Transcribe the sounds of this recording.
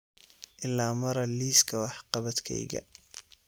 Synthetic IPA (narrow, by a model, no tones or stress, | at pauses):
ʔɪlːaːmɐɾɐliːskʰɐwɑħqɑβɐd̪kʰɛ̰jɣɐ̰